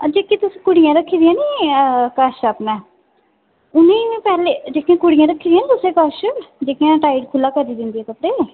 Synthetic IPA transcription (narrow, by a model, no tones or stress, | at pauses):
əd͡ʒeːkiːt̪ʊsĩːkʊɽɪjãːɾəkʰːiːd̪ɪjãːniːkəʃəːpmɛ̃ː | ʊnĩːpɛːleːd͡ʒeːkĩãːkʊɽɪjãːɾəkʰːiːd̪ɪjãːniːt̪ʊsẽːkəʃd͡ʒeːkijãːʈaːiɖkʰʊlːaːkəɾiːd̪ɪnd̪iːɛːt̪əpɽeː